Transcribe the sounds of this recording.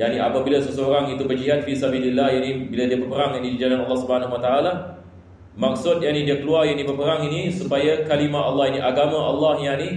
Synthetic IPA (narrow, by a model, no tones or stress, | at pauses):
ja̰ʔniapabilasəsəoɾaŋit̪ubərd͡ʒiɦat̪̚fisabililːahjanibiladiabərpəɾaŋanidid͡ʒananɑlːɑhsubəhanaɦwat̪aʔala | maksʊt̪̚jaʔnidiakəluarjaʔnibərpəɾaŋinisupajakalimaɑlːɑhiniʔaɡamãʔalːɑhjani